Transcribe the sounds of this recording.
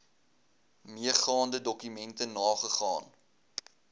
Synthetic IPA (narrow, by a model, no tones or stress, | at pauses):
miəχɑːndədɔkymɛntənɑːχəχɑ̰ːn